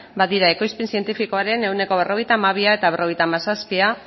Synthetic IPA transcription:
baðiɾae̞ko̞jspensie̞nt̪ifiko̞aɾe̞ne̞wne̞ko̞β̞e̞rʔo̞ɣ̞e̞jt̪aːmaβ̞iae̞t̪aβe̞rʔo̞ɣ̞ejt̪amasaspia

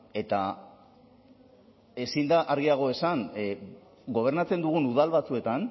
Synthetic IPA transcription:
e̞t̪a | e̞sind̪aʔaɾɣiaɣ̞o̞e̞san | ɡo̞β̞e̞ɾnat͡se̞nd̪uɣ̞unuð̞alβat͡sue̞t̪an

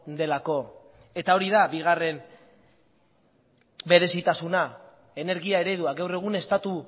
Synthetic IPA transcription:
d̪e̞lako̞ | e̞t̪ao̞ɾiðaβiɣ̞are̞m | be̞ɾe̞sit̪asuna | e̞ne̞ɾɣiae̞ɾe̞ð̞uaɡawre̞ɣ̞une̞st̪at̪u

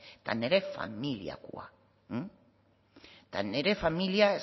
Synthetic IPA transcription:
t̪a̰neɾefa̰milj̰a̰kṵa̰ | t̪aneɾefamilja

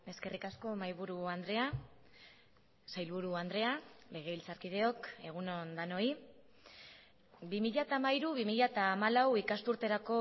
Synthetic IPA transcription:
e̞ske̞rikasko̞majβuɾuand̪ɾe̞a | sajlβuɾuand̪ɾe̞ale̞ɣ̞e̞ilt͡saɾkið̞e̞o̞ke̞ɣ̞unond̪ano̞i | bimiʎat̪aːmaiɾuβimiʎat̪aːmalawikast̪uɾt̪e̞ɾako̞

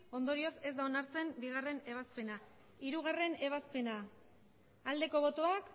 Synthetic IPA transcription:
o̞nd̪o̞ɾio̞se̞zd̪aonaɾt͡se̞mbiɣ̞are̞ne̞β̞aspe̞na | iɾuɣ̞are̞ne̞β̞aspe̞na | ald̪e̞ko̞β̞o̞t̪oak

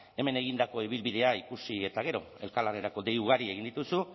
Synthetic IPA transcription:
e̞me̞ne̞ɣ̞ind̪ako̞iβilβiðe̞aikusie̞t̪aɣ̞e̞ɾo̞̰ | e̞lkalareɾako̞d̪e̞juɣ̞aɾie̞ɣind̪it̪usu

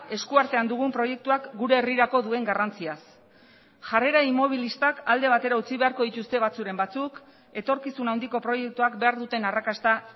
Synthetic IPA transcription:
e̞skuaɾt̪e̞and̪uɣ̞umpɾo̞je̞k̚t̪uakɡuɾe̞ːriɾako̞ðue̞ŋɡarant͡sias | ʝare̞ɾaimo̞β̞ilist̪akald̪e̞β̞at̪e̞ɾaut͡siβe̞aɾko̞ðit̪ust̪e̞β̞at͡suɾe̞mbat͡suk | e̞t̪o̞ɾkisunawnd̪iko̞pɾo̞je̞k̚t̪uakbe̞aɾðut̪e̞narakast̪a

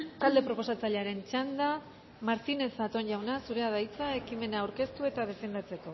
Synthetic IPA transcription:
t̪ald̪e̞pɾo̞po̞sat͡saʎeaɾe̞nt͡ʃand̪a | maɾt̪ine̞sat̪o̞nʝawnasuɾe̞aðajt͡sae̞kime̞naːwɾke̞st̪ue̞t̪að̞e̞fe̞nd̪at͡se̞ko̞

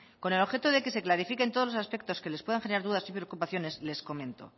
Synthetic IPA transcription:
ko̞ne̞lo̞xet̪oðe̞ke̞se̞klaɾifike̞nt̪olosaspe̞k̚t̪o̞ske̞lespwe̞ðaŋxe̞neɾaɾðuðasipɾeokupaθjo̞ne̞sle̞sko̞mẽ̞nt̪o̞̰

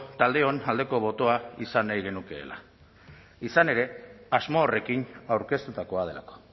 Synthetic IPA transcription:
t̪ald̪e̞o̞nald̪e̞ko̞βo̞t̪o̞aisanajɣ̞e̞nuke̞̰ːla̰ | isane̞ɾe̞azmo̞ːre̞kinawɾke̞st̪ut̪ako̞að̞ela̰ko̥

